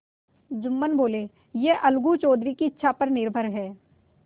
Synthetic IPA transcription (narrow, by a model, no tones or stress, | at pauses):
d͡ʒʊmːənboːleː | jeʔɐlɡut͡ʃɔːd̪ɾikiɪtːʃʰapɐɾnɪɾbʱəɾɦɛː